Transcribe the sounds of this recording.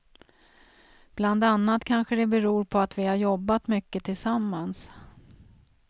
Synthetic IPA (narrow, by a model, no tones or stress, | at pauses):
b̥land̪anːat̪kʰanɧəd̪ɛbɛɾuːɾpʰɔat̪vɪhaɾjɔbːat̪mʏkːət̪ʰɪlsamːans